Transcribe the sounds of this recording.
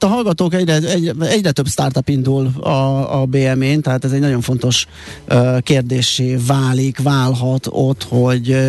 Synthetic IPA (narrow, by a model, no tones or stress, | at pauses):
t̪ːɒɦɒlɡɒt̪oːkɛɟrɛɛɟɛɛɟrɛt̪ø̞bst̪aːrt̪ɒpind̪ulɒːbeːɛmeːnt̪ɛɦaːt̪ɛzɛɟnɒɟjo̞ɱfo̞nt̪o̞ʃ | keːrd̪eːʃːeːvaːlikvaːlɦɒt̪o̰t̪hoɟ